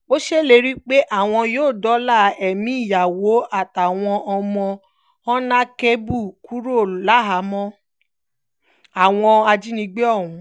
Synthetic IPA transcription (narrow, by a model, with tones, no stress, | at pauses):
o˦ʃe˦le˧˦ɾi˦k͡pe˦ʔa˦˨w̃ɔ̃˧joː˦˨dɔ˨˦la˦˨ɛ˨mĩ˨˦i˦˨ja˨wo˨˦a˦˨ta˨w̃ɔ̃˧ʔɔ˧mɔ̃˧ | ɔ̃˦nã˦ke˦bu˦˨ku˦ɾo˦˨la˦ɦa˨˦mɔ̃˧˦ | a˨w̃ɔ̃˧a˧d͡ʒi˦nĩ˧ɡ͡be˦ɔ˦˨ũ˨˦